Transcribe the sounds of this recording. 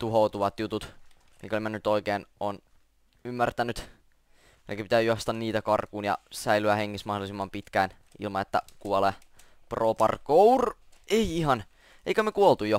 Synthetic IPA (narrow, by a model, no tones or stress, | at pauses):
t̪uɦout̪uʋɑt̪jut̪ut̪ | mḭkolimænːyt̪oikeːnon | ymːært̪ænyt̪ | elikæpit̪æːjuɑst̪ɑnniːt̪ækɑrkuːnjɑ̰sæilyæheŋkismɑhdolisimːɑmpit̪kæːn | ḭlmɑnet̪ːæ̰kuole | proːpɑ̰rkoureiiɦɑn | eikæmːekuolt̪ujo